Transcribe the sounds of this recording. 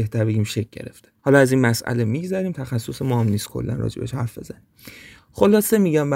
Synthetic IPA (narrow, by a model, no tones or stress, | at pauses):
eht̪ʰæɾbe̞ɡʲiːmʃek̚ʰʲɟe̞̰ɾḛftt̪ehɒːlɒæziːnmæsʔæ̰lemiɡzæɾiːmt̪ʰæxæsːosemɒhæmniːst̪̚kʰo̰lːæ̰nrɒ̰ːd͡ʒḛbeʃhæɾfbe̞̰zæniːm | xo̞lɒːse̞miɟæmbæ